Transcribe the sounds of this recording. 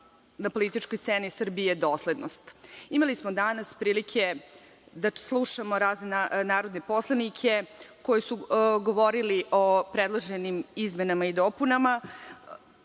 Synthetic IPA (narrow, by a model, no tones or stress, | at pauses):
napo̞lit̪it͡ʃkojst̪senisr̩bijed̪o̞ːsle̞d̪nost̪imalismo̞d̪anaspɾiːlikʰe̞ | d̪aslˠuʃamo̞ɾaːznenanaːɾo̞d̪ne̞po̞slˠanikʰe̞ko̞jesuɡo̞ʋo̞ɾiliʔopɾed̪lˠoʒenimizme̞namaid̪oːpunama